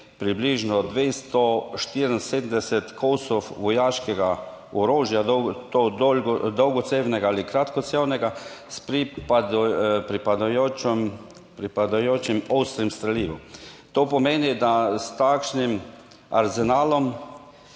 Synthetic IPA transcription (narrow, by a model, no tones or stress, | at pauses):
pɾibliːʒnɔd̪ʋeːst̪ɔʃt̪iɾn̩seːd̪md̪ɛsɛt̪kʰowsɔfʋɔjaːʃkɛɡa | ɔɾoːʒjad̪t̪od̪od̪ɔwɡɔt̪sewnɛɡaalikɾat̪kɔt̪sewnɛɡaspɾi | pɾipad̪ajom | pɾipad̪ajoːt͡ʃimɔwst̪ɾimst̪ɾɛliːʋot̪oːpɔmeːnid̪ast̪akʃnim | a̰ɾzɛnaːlɔm